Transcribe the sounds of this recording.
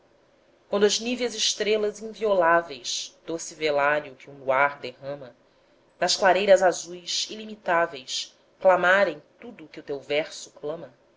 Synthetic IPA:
kwɐ̃nd̪ʊɐzniveɐzɪʃt̪ɾelɐzĩŋviolavejʃd̪̥osɪvelaɾjʊkɪũluaɾd̪eɦɐ̃mɐ | nɐʃklaɾejɾɐzazujʃilimit̪avejs | klamaɾẽj̃t̪ud̪ʊːkɪʊt̪ewvɛɾsʊ̥klɐ̃mɐ

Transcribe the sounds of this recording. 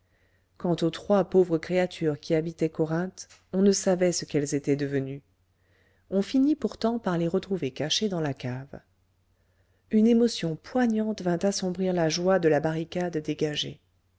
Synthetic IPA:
kɑ̃t̪ot̪χwapovʁəkχeat̪ʰyʁkʲiabit̪ɛkɔʁɛ̃t̪ | ɔ̃nəsavɛsəkɛlzet̪ɛd̪əvəny | ɔ̃finipuʁt̪ɑ̃paʁleʁət̪χuvekaʃed̪ɑ̃lakav | ynemɔsjɔ̃pwaɲɑ̃t̪vɛ̃t̪asɔ̃bʁiʁlaʒwad̪əlabaʁikad̪ːeɡaʒḛ

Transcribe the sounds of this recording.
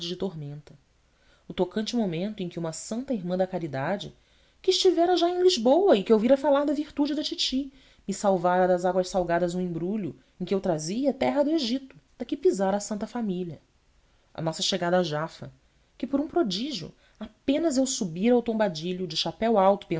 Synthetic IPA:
d͡ʒɪd͡ʒɪt̪omẽnt̪ɐ | ʊt̪okɐ̃nt͡ʃɪmomẽnt̪ʊẽj̃kʲɪũmɐsɐ̃nt̪ɐiɾmɐ̃d̪ɐkaɾid̪ad͡ʒɪ̰ | kɪːʃt͡ʃivɛɾɐʒaẽj̃liʒbowɐɪkɪewviɾɐfalaɾd̪ɐviɾt̪ud͡ʒɪd̪ɐt͡ʃit͡ʃi | mɪsawvaɾɐd̪ɐzaɡwɐʃsawɡad̪ɐzũẽbɾuʎʊ̰ | ẽkʲɪewt̪ɾaziɐt̪ɛɦɐd̪ʊeʒit̪ʊ̥d̪̥ɐkɪpizaɾɐasɐ̃nt̪ɐfamiʎɐ | ɐ̰nɔsɐʃeɡad̪ɐaʒafɐ̰ | kɪpoɾũpɾod͡ʒiʒjʊ̰ | apẽnɐzewsubiɾawt̪õbad͡ʒiʎʊd͡ʒɪʃapɛwawt̪ʊ̥pẽ

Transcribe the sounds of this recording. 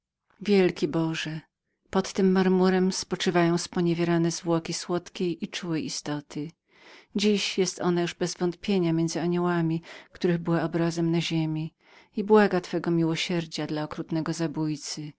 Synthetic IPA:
vʲjɛlkʲibɔʐɛ | pɔt̪ːɘmːaɾmuɾɛmspɔt͡ʂɘvajɔ̃w̃spɔɲevʲjeɾanɛzvwɔkʲiswɔt̪kʲejʔit͡ʂuwɛʔist̪ɔt̪ʰɘ | d͡ʑiɕjɛst̪ɔ̰najuʐbɛzvɔnt̪̚pʲjeɲamʲjɛnzɘaɲɔwamʲikt̪uɾɘɣbɘwaɔbɾazɛmnaʑemʲi | ibwaɡat̪fɛɡɔmʲiwɔɕɛɾd͡ʑad̪laɔkɾut̪nɛɡɔzabujt̪sɘ

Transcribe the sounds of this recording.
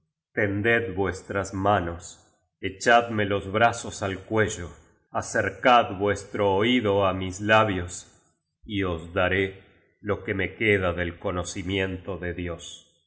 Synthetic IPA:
t̪end̪ed̪bwest̪ɾasmanos | et͡ʃad̪melo̞zβɾasosalkweʒo | aseɾkad̪βwest̪ɾoːiðoamislaβjos | iozd̪aɾe | lo̞kemekeðaðelkonosimjent̪oðeðjo̞s

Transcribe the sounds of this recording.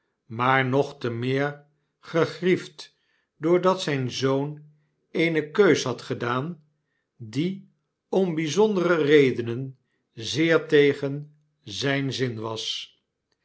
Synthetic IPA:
maːɹnɔχtəmɪːɹ | χəχrift | dʊːɹdɑtsɛjnzown | ejnəkøɥsɦɑtχədaːn | di | ɔmbizɔndərərejdənən | zɪːɹtejχən | zɛjnzɪnʋɑs

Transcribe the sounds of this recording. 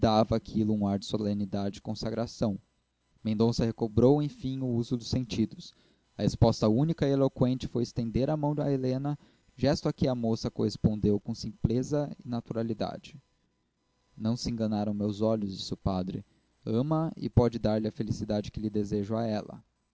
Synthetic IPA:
d̪avɐakʰilʊũaɾd͡ʒɪsolẽnid̪ad͡ʒɪɪkõsaɡɾasɐ̃w̃ | mẽnd̪õsɐhekobɾowẽj̃fĩʊuzʊd̪ʊsẽnt͡ʃid̪ʊs | ɐhespɔst̪ɐũnikɐielokwẽnt͡ʃɪ̥fojɪst̪ẽnd̪eɾɐmɐ̃w̃d̪ɐ̰elẽnɐ | ʒɛst̪ʊɐkɪɐmosɐkohespõnd̪ewkõw̃sĩmplezɐɪnat̪uɾalid̪a̰d͡ʒɪ | nɐ̃w̃sɪẽŋɡɐnaɾɐ̃w̃mewzɔʎʊzd͡ʒisʊpad̪ɾɪ̰ | ɐ̃mɐɪ̰pɔd͡ʒɪd̪aɾlɪɐfelisid̪ad͡ʒɪkɪlɪd̪ezeʒʊaɛlɐ̰

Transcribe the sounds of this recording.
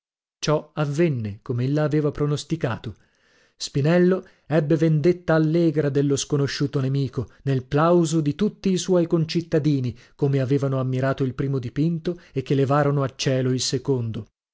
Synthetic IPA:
t͡ʃɔavːenːekomeelːaːveːvapɾonost̪ikaːt̪o | spinɛlːo | ɛbːevend̪et̪ːaːlːɛːɡɾad̪elːoskonoʃːuːt̪onemiːkonelplawzod̪it̪ut̪ːiːswɔjkont͡ʃit̪ːad̪iːni | komeaveːvanoamːiɾaːt̪oilpɾiːmod̪ipint̪oek̟ːelevaːɾonoat͡ʃːɛːloilsekond̪o

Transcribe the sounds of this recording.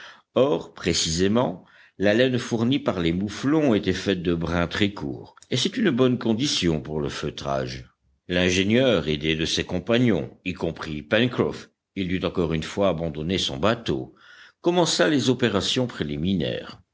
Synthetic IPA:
ɔʁpχesizemɑ̃ | lalɛnfuʁnipaʁlemuflɔ̃et̪ɛfɛt̪̚d̪əbʁɛ̃t̪χɛkṵːʁesɛt̪ynbɔnkɔ̃d̪isjɔ̃puʁlə̰føt̪χa̰ːʒ | lɛ̃ʒenjœːʁed̪ed̪əsekɔ̃paɲɔ̰̃ikɔ̃pχipɛnkχɔ̰f | ild̪yt̪ɑ̃kɔʁynfwaːbɑ̃d̪ɔnesɔ̰̃bat̪o̰ | kɔmɑ̃salezɔpeʁasjɔ̃pχeliminɛ̰ːʁ

